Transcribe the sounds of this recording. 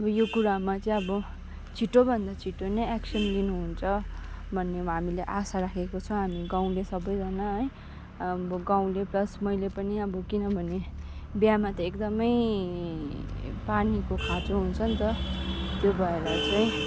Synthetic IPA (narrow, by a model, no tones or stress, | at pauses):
ʌbʌjokuɾamat͡saĩʌbʌ | t͡sʰiʈːobʱʌnd̪at͡sʰiʈonʌaksʌnlinuɦunt͡sʰʌbʱʌnːeɦamileʔasaɾakʰekot͡sʰʌ̃w̃ɦamiɡãw̃lesʌbʌjd͡zanaɦʌj | bʌɡaw̃leplʌsmʌjlepʌniʌbʌkinʌbʱʌne | bjamat̪ʌekd̪ʌmʌj | panikokʰat͡soɦunt͡sʰʌnt̪ʌt̪jobʱʌelat͡saĩ